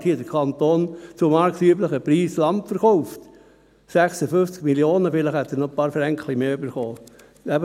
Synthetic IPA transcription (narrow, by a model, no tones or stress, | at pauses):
thiːədəɾkʰɑnt̪oːnt͡sʊmɑɾksyːbləχəpɾiːslɑmpfəɾχɔʊft̪ | sæχsəfʏft͡skmiljoːnəfɪləχhɛt̪ːəɾnɔpɑːɾfɾæŋkʰlimeːøbəɾχoː | æb